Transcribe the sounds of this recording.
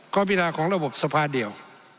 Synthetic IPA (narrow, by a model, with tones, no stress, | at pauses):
kɔː˧˥biː˦˧˨naː˧˩kʰɔː˩˦ŋɾa˧bo˨˩p̚sa˧pʰaː˧˨di˨əw